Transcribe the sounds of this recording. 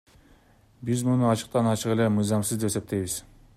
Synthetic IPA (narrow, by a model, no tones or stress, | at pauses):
bizmunuɑt͡ʃɯ̥q̚t̪ɑnɑt͡ʃɯʁe̞le̞mɯjzɑmsɯzd̪e̞pese̞p̚t̪ʰe̞jβiz